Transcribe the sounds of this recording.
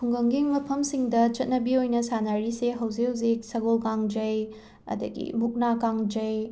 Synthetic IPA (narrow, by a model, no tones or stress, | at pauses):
pʰuŋɡɐŋɡiŋmɐpʰɐmsiŋdɐt͡ʃɐt̚nɐbiojnɐsanaɾiseɦɐwzikhɐwzik̚sɐɡolkaŋd͡ʒɐj | ɐ̰dɐɡḭmuk̚nakaŋd͡ʒɐj